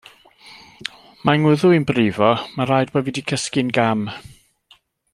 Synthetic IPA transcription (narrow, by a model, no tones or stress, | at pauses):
maŋʊðʊinbriːvɔmaɾajdbɔvidikʰəskɪnɡam